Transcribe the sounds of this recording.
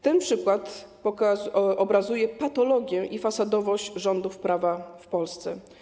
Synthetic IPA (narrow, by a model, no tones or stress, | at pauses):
t̪ɛnpʂɘkwat̪ɔaʔɔbɾazujɛpat̪ɔlɔɡʲjɛʔifasad̪ɔvɔɕt͡ɕʐɔnd̪ufpɾʔavafpɔlst̪sɛ̰